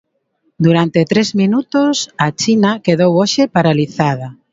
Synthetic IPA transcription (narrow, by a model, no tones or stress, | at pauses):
d̪uɾant̪et̪ɾezmĩnut̪osat͡ʃinakeðowoʃepaɾaliθað̞a